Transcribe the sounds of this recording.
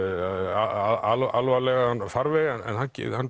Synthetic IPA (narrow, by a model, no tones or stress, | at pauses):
aaalalvalɛɣaanːfaɾvɛɣɛnɛ̰nhancɪ̰ðhan